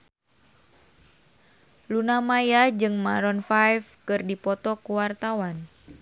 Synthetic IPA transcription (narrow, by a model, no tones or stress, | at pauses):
lunamajad͡ʒɨŋmaɾɔnfajfkɨrdipɔt̪ɔkuwart̪awan